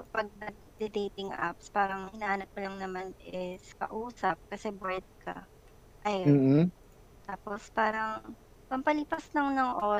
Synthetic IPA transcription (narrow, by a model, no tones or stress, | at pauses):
pɐɡ̚nɐɡ̚d̪ɪd̪ejt̪ɪŋʔa̰pspaːɾɐŋhɪnaːhɐnɐp̚pɐlɐŋnɐmanʔɪskɐ̰ʔuːsɐp̚kɐsɛbɛɹd̪̚kɐ̰ | ʔɐja | t̪aːpospaːɾɐŋ | pɐmpɐlɪpaslɐŋnɐŋʔoː